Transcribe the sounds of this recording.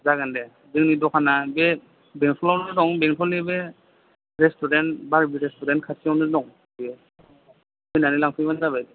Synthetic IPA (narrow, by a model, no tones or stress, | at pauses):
zaɡandɛ | bɛŋnidɔkʰanabɛ | bɛŋtʰɔlawnɛdɔŋbɛŋtʰɔlibɛ | ɹɛstɔɾɛntbaɹbiɾɛstɔɾɛntkʰasʰiawnɛdɔŋ | bɛ | ɔjnanilaŋpʰɔjmanzabajd